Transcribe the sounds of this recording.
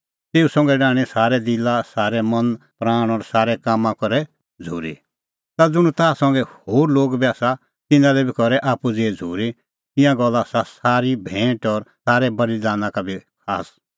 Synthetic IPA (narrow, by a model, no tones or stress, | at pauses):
t̪eːusɔ̃ŋɡɛɖaːɽ̃ɛsaːɾɛd̪ɪlasaːɾɛmɐ̃npɾaːɽ̃ɔɾsaːɾɛkaːmãkɔɾɛ | d͡zʱṵːɾḭ | t̪ad͡zʊɽ̃ũt̪aːsɐ̃ŋɡɛhoːɾloːɡbʱiaːsa | t̪ɪ̃nãlɛbʱikɔɾɛʔaːpud͡zeːd͡zʱuːɾi | t̪ɪ̃jãɡɔlːasasaːɾibʱɛ̃ːʈɔɾsaːɾɛbɐlid̪aːnãkabʱikʰa̰ːs